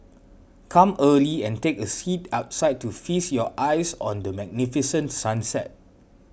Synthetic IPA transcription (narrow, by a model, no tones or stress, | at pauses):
kʰãməliɛ̃ntekəsitaʊtsaɪt̚tːufisjɔʔaɪsɔ̰̃ndəmɛɡ̚nifisə̃ntsãnsɛ̰t̚